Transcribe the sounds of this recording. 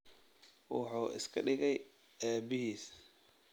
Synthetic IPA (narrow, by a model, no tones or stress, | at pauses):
wɑ̰ħuːʔɪ̰skʰɐɖɪɣɛj | ɛːbɪɦiːs